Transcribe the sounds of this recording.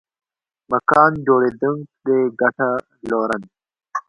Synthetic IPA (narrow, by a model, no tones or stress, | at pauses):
mɐkɑːnd͡ʒoːɽeːd̪uŋɡd̪eɡɐʈa | loːɾɐn